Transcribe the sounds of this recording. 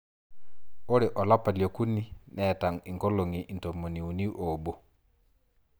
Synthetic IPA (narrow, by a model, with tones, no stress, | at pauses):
o˦ɾe˨ʔɔ˨la˦pa˨ljo˨ku˦ni˦nɛ˨ta˨ŋi˨ŋkɔ˦lo˨ŋi˨ʔi˨to˨mo˨ni˨u˨ni˦ʔo˨bo˦